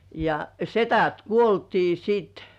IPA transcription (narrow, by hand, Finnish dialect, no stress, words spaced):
jɑ setæt kuoltiː sit